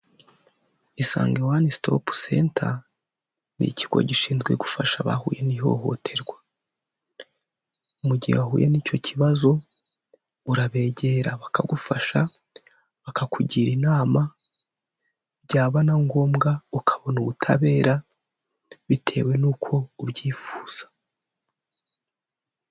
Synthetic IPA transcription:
isa̰ːŋɡewanisto̰pu̥seːntʰa | nḭciɡ̥o̞̰ɟiʃiːnzɡwe̞ɡufaʃaβa̰hṵːje̞niɦo̞̰ɦo̞̰tʰe̞ɾɡwḁ | umuɟihwaɦuːjeniːco̞cʰiβazo̞ | uɾaβe̞ːɟe̞ɾaβakaɡufaʃa | βakakʰuɟiɾinaːma | bɟaːβanaŋɡo̞ːmɡaukʰaβo̞nuβutʰa̰βe̞ːɾa | βitʰe̞̰we̞nuːkʰo̞uβɟiːfuːz̥ḁ

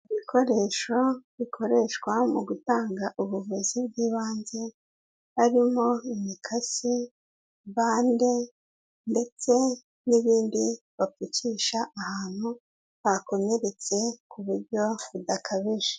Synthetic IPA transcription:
iβikʰo̞ɾe̞ːʃoβikʰo̞ɾe̞ʃkwamuɡutaːŋɡaʔuβuvuzibɟiːβaːnze̞ | haɾimo̞imikʰasi | βaːnde̞ | nde̞t͡se̞ | niβiːndi | βapuciʃaʔahaːn̥hu | βako̞me̞ɾe̞t͡se̞kʰuβuɾɟo̞βudakʰaβiʒe̥

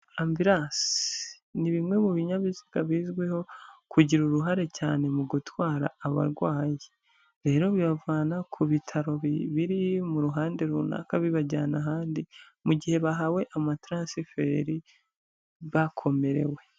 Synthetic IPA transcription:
amviɾaːsi | niβimŋe̞muβiɲaβiziɡ̥aβiːzɡweho̞kuɟiɾuɾuɦaɾe̞caːne̞muɡutwaːɾa̰ːβa̰ɾɡwaːji | ɾe̞ːɾo̞βiβavwaːnakʰuβitʰaɾo̞βiβiɾimuɾuɦaːnde̞ɾuna̰kaβiβaɟanaɦaːndi | muɟihe̞βaɦawe̞ʔamatɾaːsife̞ɾi | βakʰo̞me̞ɾe̞̰we̞

